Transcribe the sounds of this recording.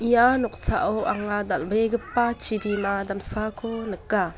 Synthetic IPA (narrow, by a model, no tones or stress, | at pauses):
ʔijanɔk̚saʔɔwʔɐŋad̪ɐlbejɡəpːat͡ʃʰibimad̪ɐmsakʰonəkːa